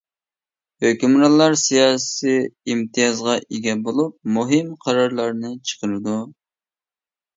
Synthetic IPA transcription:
høkʲymɾɑlˠːɑɾsijɑːsiimt̪ʰijɑzʁɑʔeɡʲɛbolˠup̚muɦɪmqʰɑɾɑɾlˠɑɾnɨt͡ʃʰə̥qəɾɨd̪u

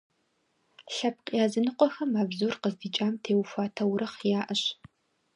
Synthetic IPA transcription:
ɬɐp̚qʼjaːzɨnɨqʷʼɔxɐmaːbzuːrqəzdiːt͡ʃʼaːmtʰeːwfʷaːtʰɐwɾɐχjaːʔɐɕ

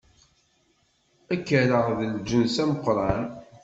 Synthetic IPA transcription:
ækːəɾəʁðəld͡ʒənsæməqɾˤɑn

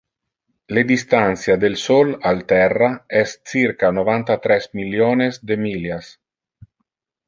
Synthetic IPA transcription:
led̪ist̪ant̪sjad̪elsɔlalt̪ɛrːaɛst͡siɾkanovant̪at̪ɾɛsmiljoːnesd̪emiljas

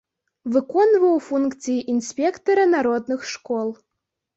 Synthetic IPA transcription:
vɨkɔnvɐwfunkt̪t͡ssɨjiʔinsʲpʲɛkt̪ɔɾɐnaɾɔd̪̚nɨxʂkɔlˠ

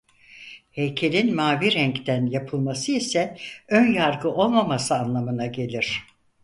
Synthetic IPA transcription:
hejcʰe̞lʲinmaːviɾɛɲct̪ænjapʰɯlˠmasɯisɛønjaɾɡɯʔo̞lˠmamasɯanlˠamɯnaɟe̞lʲiɾ̥

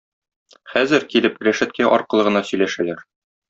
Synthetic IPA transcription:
χæzɘɾkilɘpɾʲæʃɘ̆t̪̚kæʔɒ̰ɾqɤ̆lˠɤ̆ʁɤ̆nɑsɵ̆jlæʃælæɾ

